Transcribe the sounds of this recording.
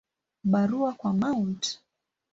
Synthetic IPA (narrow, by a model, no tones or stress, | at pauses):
ɓaɾuakwamaunt